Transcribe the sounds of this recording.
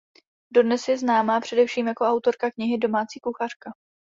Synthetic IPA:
do̞dnɛsjɛznaːmaːpr̝̥ɛdɛfʃiːmjako̞ʔawt̪o̞ɾkakɲɪɦɪdo̞maːt͡siːkuxar̝̥ka

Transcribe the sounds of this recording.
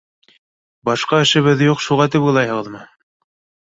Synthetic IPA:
bɑʃqɑɘ̆ʃɘ̆βɘðjuqʃuʁɑt̪ɘpujlˠɑjhɤ̆ʁɤ̆ðmɤ

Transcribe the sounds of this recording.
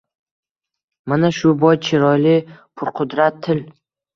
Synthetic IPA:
manaʃʊbɒjt͡ʃʰɪɾɒjlɪpʰʊɾqʰʊd̪ɾat̪ʰːɪl

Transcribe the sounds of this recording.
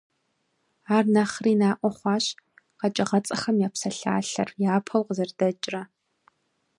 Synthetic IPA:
aːrnɐχriːnaːʔʷɔχʷɑːɕ | qɐt͡ʃʼɪʁɐt͡sʼɐxɐmjaːpsɐɬa̰ːɬɐ̰rjaːpʰɐwqəzɐrd̥ɐt͡ʃʼrɐ

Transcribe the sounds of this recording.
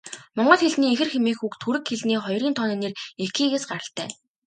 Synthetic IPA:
mɔɴɢɞ̆t̪xeɮniːexɘ̆rxemiːxukt̪ʰuɾɘ̆kxeɮniːχɔjriːnt̪ʰɔniːnerekiːɣeːsɢaɾə̆ɬt̪æ̰ː

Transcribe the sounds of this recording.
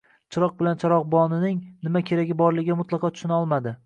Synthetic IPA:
t͡ʃʰɪɾɒq̚bɪlant͡ʃʰaɾɒq̚bɒnɪnɪŋnɪmakʲʰe̞ɾaɡʲɪbɒɾlɪɡʲamʊt̪lˠɑqʰɒt̪ʰʊ̥ʃɪnɒlˠmad̪ɪ

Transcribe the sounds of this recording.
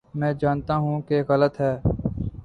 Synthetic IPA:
mɛ̃ːd͡ʒaːnt̪aːɦũːkeɣələt̪ɦɛː

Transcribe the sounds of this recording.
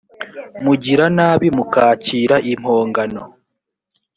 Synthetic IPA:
muɟiɾanaːβimukaːciːɾaʔim̥hoːŋɡano

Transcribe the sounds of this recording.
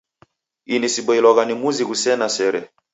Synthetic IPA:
inisiɓɔilɔɣanimuziɣusɛnasɛɾɛ

